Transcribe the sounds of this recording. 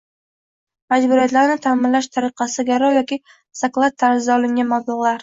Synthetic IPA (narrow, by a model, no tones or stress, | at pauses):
mad͡ʒbʊɾijat̪laɾnɪt̪ʰaːmɪnlaʃt̪ʰaɾɪqɑsɪɡʲaɾɒjɒkʲi | saklˠat̪ʰːaɾzɪzaɒlˠɪŋɡʲanmablˠɪʁlˠaɾ